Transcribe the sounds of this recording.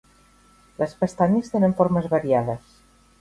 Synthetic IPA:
ləspest̪aɲəst̪enəɱfoɾməzβaɾiaðəs

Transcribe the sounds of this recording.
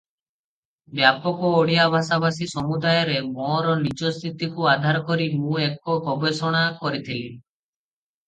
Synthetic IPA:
bjapɔkɔoɽijabʱasabasisɔmud̪ajɔɾemɔɾɔnit͡ʃɔst̪ʰit̪ikuad̪ʱaɾɔkɔɾimũek̚ɔɡʱɔbesɔɽ̃akɔɾit̪ʰili

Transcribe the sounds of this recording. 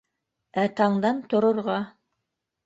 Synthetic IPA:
æt̪ɑɴd̪ɑnt̪ŏɾŏɾʁɑ

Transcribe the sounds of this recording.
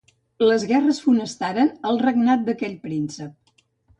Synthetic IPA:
ləzɣɛrəsfunəst̪aɾənəlˠrəɡnat̪̚d̪əkɛʎpɾinsəp̚

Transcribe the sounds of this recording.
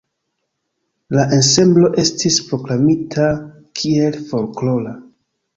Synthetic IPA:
laʔense̞mblo̞ʔe̞stispɾo̞klamitʰa | kʰie̞lfo̞ɾklo̞la

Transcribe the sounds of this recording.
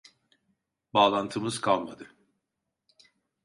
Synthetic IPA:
baːlˠant̪ʰɯmɯz̥kʰalˠma̰d̪ɯ

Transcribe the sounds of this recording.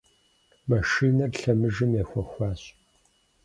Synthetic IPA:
mɐʃiːnɐrɬɐmɨʒɨmjexʷɔxʷɑːɕ

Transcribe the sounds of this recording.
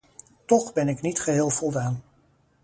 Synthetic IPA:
tɔχbɛnɪknitχəɦɪːlˠvɔlˠdaːn

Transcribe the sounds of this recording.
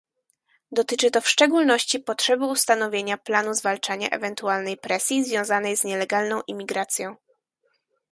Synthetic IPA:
d̪ɔt̪ɘt͡ʂɘt̪ɔfʂt͡ʂɛɡulnɔɕt͡ɕipɔtʂɛbɘust̪anɔvʲjeɲaplanuzvalt͡ʂaɲa̰ʔɛ̰vɛnt̪ualnɛjpɾɛsʲjizvʲjɔ̃w̃zanɛjzɲɛlɛɡalnɔ̃w̃ʔimʲiɡɾat̪sʲjɔ̃w̃

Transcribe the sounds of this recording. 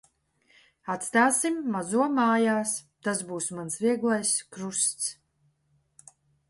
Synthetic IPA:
at̪st̪aːsimːazuɔmaːjaːst̪asbuːsmansviɛɡlˠajskɾust̪s

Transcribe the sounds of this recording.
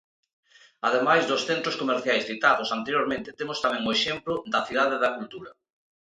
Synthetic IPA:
aðemajzðʊsθent̪ɾoskomeɾθjajsθit̪aðosant̪eɾjoɾmẽnt̪ɪ̥t̪emʊst̪amɛ̃ŋʊeʃemplʊd̪ɐθiðaðeðɐkult̪uɾɐ

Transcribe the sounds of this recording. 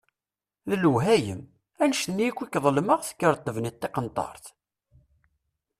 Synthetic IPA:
ðələwɦæjə̰m | ænəʃθənjikʷːikːðˤəlməʁθə̥kːəɾˤt̪ˤːəvnət̪ːeqənt̪ˤɑ̰ɾˤθ

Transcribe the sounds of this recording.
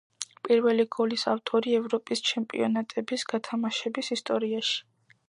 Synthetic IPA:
pʼiɾvɛliɡɔlisaft̪ʼɔɾiɛvɾɔpʼist͡ʃʰɛmpʼḭɔnat̪ʼɛbisɡat̪ʰamaʃɛbisist̪ʼɔɾiaʃi̥

